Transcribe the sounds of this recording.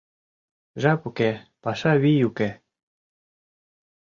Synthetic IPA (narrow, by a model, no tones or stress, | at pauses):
ʒapukepaʃaβijuke